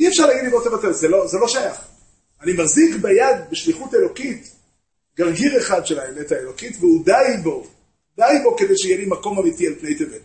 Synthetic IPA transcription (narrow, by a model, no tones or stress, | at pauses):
iefʃaʁlaɡid̪imbot̪evat̪evzelo̞zelo̞ʃajaχ | animazikbajad̪beʃliχutelo̞kit | ɡaʁɡiʁeχad̪ʃelaemetaelo̞kitveud̪ajbo̞ | d̪ajbo̞ked̪ejʃejelimako̞mamitialpne̞jtevet